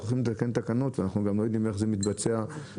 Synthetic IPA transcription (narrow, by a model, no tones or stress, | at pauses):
oχimlet̪ake̞nt̪akano̞t̪vanaχnuɡamlo̞jo̞d̪ime̞χzemit̪bat͡sea